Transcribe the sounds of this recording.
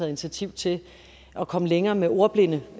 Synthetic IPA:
ɛð̩ˠi̝ni̥t͡sʰiæt͡sʰiʊ̰t͡sʰe̝ | ʔɒ̽kʰɒ̽məleŋɐːmeo̝ɐb̥le̝nə

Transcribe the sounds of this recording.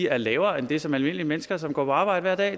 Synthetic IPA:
iæɐlɛːʊɐend̥e̝sɒ̽mælme̝n̰liəmenəsɡ̥ɐsɒ̽mɡ̥ɒ̰ːpʰɒɑ̈ːb̥ɑ̈ɪ̰d̥əʋæɐd̥ɛ̰ː

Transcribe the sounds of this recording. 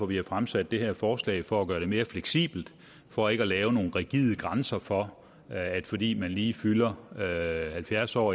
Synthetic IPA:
ɒ̽ʋihɑfʁamsæd̥ːe̝heɐfɒːslɛ̰ɪfɒ̽æɡ̥ɶːɐdɾe̝me̝ːɐfleɡ̥sḭːb̥l̩d̥ | fɒ̽e̝ɡ̥əɒlɛːʊno̝ːn̩ʁiɡ̥ið̰ˠəɡ̥ʁansɐfɒ̽ | æd̥fɒ̽d̥ḭːmænliːfylɐ | hælfjæɐsɒ̰ː

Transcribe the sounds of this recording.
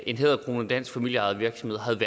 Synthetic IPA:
e̝nɦeð̰ˠɐkʰʁo̝ːnɒd̥æn̰sɡ̥fæmil̰jəɑ̈ð̩ˠʋiɐɡ̥sɒmhe̝ð̰ˠɦæðˠʋæ

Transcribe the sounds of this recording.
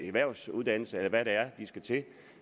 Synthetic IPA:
eʋæɐ̰ʊsuðˠd̥æn̰l̩səelɐʋæɾ̥eæɐd̥isɡ̥æt͡sʰe̝

